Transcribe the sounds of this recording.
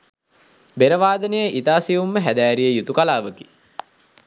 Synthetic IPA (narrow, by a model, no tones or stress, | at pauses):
beɾəʋaːd̪ənəjəʔit̪aːsiumːəɦæd̪æːɾijəjut̪ukalaːʋəki̥